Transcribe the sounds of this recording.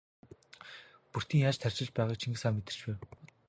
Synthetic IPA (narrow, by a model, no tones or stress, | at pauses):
pur̥t̪iːŋjaːt͡ɕt̪ʰær̥ʲt͡ɕɪ̆ɮpæːʁaːk̚t͡ɕʰiŋɡɘ̆saːmet̪ɘ̆rt͡ɕpæːw